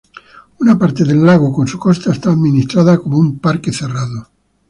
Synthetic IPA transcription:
unapaɾt̪eðelːaɣ̞okonsukost̪aest̪aːðminist̪ɾaðakomoumpaɾkeθeraðo

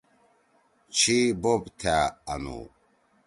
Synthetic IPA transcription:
t͡ɕʰibobt̪ʰaɐnṵ

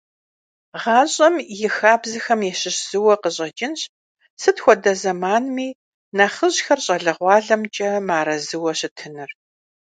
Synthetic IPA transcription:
ʁɑːɕʼɐmjɪxaːbzɨxɐmjɛɕɪɕz̥ɨwɐqəɕʼɐd͡ʒʼɪnɕ | sɨtxʷɔdɐzɐmaːnmiː | nɐχəʑxɐrɕʼɐɮɨʁʷɑːɮɐmt͡ʃʼɐmaːɾɐzɨwɐɕɪtʰɨnɨr

